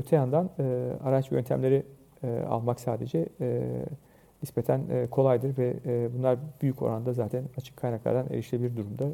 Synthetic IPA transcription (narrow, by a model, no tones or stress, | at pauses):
øt̪ʰejand̪anɯa̰ɾat͡ʃjø̞nt̪ʰæmlʲe̞ɾi | a̰lˠmaksaːd̪e̞d͡ʒɛ | nispet̪ʰænːkʰo̞lˠajd̪ɯɾvɛbunlˠaɾbyjyco̞̰ɾʔand̪azaːt̪ʰænat͡ʃʰɯ̥kʰːajnaklˠa̰ɾd̪anʔeɾiʃlʲebilʲiɾd̪uɾumd̪a